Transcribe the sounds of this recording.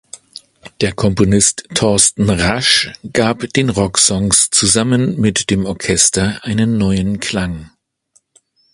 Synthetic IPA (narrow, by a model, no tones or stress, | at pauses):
d̥eːɐkʰɔmponɪstʰːɔɐstn̩ʁaʃɡ̥aːpd̥eːnʁɔksɔŋst͡suzamənmɪtd̥eːmɔɐkʰɛstɐʔaɪnənːɔʏənkʰl̥aŋ